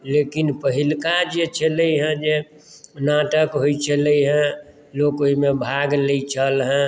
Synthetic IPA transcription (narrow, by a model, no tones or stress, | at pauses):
lekinpəɦilkad͡ʒet͡ʃʰələjɦə̃d͡ʒe | naʈəkɦojt͡ʃʰələiɦə̃ | lokoimebʱaɡlet͡ʃʰəlɦə̃